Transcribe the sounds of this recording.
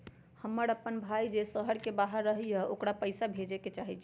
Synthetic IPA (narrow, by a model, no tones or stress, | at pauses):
həmːəɾəpːənbʱajd͡ʒesəɦəɾkebaɦəɾːəɦijəʔokɽapəɪsabʱed͡ʒeket͡ʃaɦit͡ʃʰ